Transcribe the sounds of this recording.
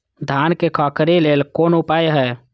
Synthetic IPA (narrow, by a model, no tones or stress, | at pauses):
d̪ʱankekʰəkɾilelkoːnupajɦɛ